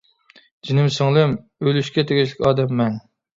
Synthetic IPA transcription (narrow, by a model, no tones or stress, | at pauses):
d͡ʒinɪmsɨŋlˠɪm | ølyʃkʲɛt̪ʰeɡʲiʃlɪkʲɑːd̪ɛmːɛŋ